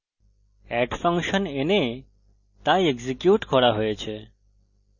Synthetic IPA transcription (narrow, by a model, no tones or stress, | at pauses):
ɛʈfə̃ŋkʃənene | t̪aeɡzikjuʈkʰɔɽaɦojet͡ʃʰe